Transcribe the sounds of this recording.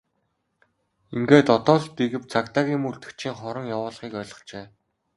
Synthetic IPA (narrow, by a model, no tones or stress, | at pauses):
iŋɡeːt̪ɔt̪ɔːɮt̪eɣɘ̆p̚t͡sʰakt̪aːɣʲiːmuɮt̪ɘ̆kt͡ɕʰiːŋχɔɾɞ̆ŋjawʊːɮχiːkœːɮɞ̆χt͡ɕeː